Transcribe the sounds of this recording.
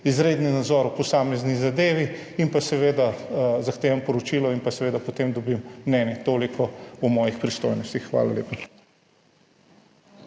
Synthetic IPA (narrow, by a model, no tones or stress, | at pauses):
izɾeːd̪ninad̪zɔɾwpɔsaːmɛznizad̪eːʋiinpasɛʋeːd̪azaxt̪eːʋɐmpɔɾɔt͡ʃilɔinpasɛʋeːd̪apɔt̪emd̪ɔbimːnɛːnjɛt̪oːlikʰɔumɔːjixpɾist̪ojnɔst̪ixːʋa̰ːlaleːpa